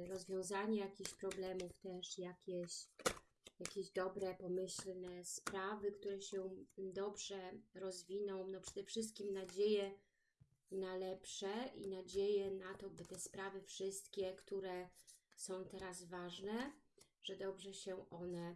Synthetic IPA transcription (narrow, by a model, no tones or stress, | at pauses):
ɾɔzvʲjɔ̃w̃zaɲɛjakʲixɕpɾɔblɛmuft̪ɛʂjakʲɛɕ | jakʲeʑd̪ɔbɾɛpɔmɘɕlnɛspɾavɘkt̪uɾɛɕɛd̪ɔbʐɛɾɔzvʲinɔ̃w̃nɔpʂɛd̪ɛfʂɘst̪̚kʲimnad͡ʑejɛ | nalɛpʂɛʔḭnad͡ʑejɛnat̪ɔbɘt̪ɛspɾavɘfʂɘst̪̚kʲɛkt̪uɾɛsɔ̃w̃t̪ɛɾazvaʐnɛ | ʐ̥ɛd̪ɔbʐɛɕɛʔɔnɛ